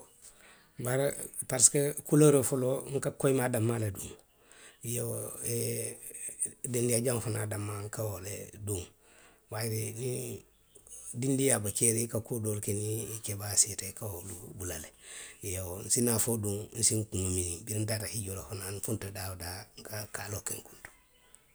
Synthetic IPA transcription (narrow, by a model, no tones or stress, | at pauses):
baɾpaɾskakulaɾofoloŋkakojmadamːaleduŋ | ijoe | dendiaɟaŋfunadamːaŋkawolḛduŋ | wajiɾini | dindijabakeɾikakudolkenikebasitekawodubulaleijowon̩sinafoduŋn̩siŋkuŋuminiŋbiɾndatahiɟolofonanfuntadawdaŋkakalokeŋku̥nto̥